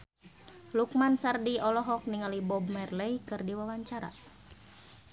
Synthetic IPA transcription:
luk̚mansardiɔlɔɦɔk̚niŋalibɔb̚mɛrlɛjkɨrdiwawaɲt͡ʃaɾa̰

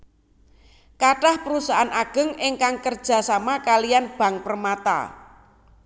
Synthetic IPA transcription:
kaʈahpəɾusaɦanaɡ̥ə̤ŋɪŋkaŋkərd̥ʒ̥a̤samakalijanb̥ä̤ŋpərmat̪a̰

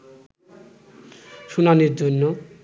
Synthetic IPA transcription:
ʃunaniɾd͡ʑonːo

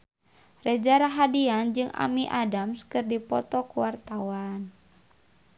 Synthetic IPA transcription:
rɛd͡ʒaɾaɦadiand͡ʒɨŋʔa̰miʔadamskɨrdipɔt̪ɔkuwart̪awan

